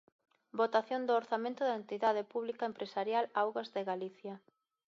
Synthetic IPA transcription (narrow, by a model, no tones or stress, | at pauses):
bot̪aθjond̪ooɾθamẽnt̪ʊðaent̪iðaðɪpuβlikaempɾesaɾjalawɣazðeɣaliθjɐ